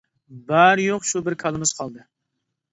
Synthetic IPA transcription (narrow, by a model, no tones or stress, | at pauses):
bæɾjoqʃubɪɾkʰɑlˠɨmɪz̥qʰɑlˠd̪ɨ